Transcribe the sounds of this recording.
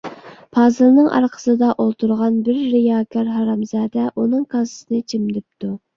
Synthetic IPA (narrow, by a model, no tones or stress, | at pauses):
pʰɑːzɨlˠnɨŋʔɑ̰ɾqʰə̥sɨd̪ɑʔolˠt̪ʰuɾʁɑnbɪɾːɪjɑːkʲʰɑɾɦɑɾɑmzɑːd̪ɛʔunɨŋkʰɑsɨsɨnɨt͡ʃʰimd̪ɪp̚t̪u